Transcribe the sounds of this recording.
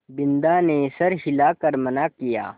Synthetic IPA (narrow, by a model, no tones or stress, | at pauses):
bɪnd̪aːnesɐɾɦɪlaːkɐɾmɐnaːkija̰ː